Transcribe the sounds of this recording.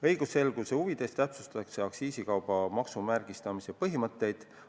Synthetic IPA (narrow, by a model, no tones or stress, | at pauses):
ɤjɡ̥use̞lɡ̥use̞uvid̪̥e̞st̪æpsust̪ɑt̪ɑkse̞ɑksiːsikɑwb̥ɑmɑksumærɡ̥ist̪ɑmise̞pɤɦimɤt̪ːe̞jd̪̥